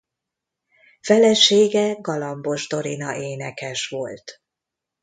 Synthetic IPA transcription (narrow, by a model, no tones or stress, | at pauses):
fɛlɛʃeːɡɛɡɒlɒmbo̞ʒd̪o̞ɾinɒʔeːnɛkɛʃʋo̞lt̪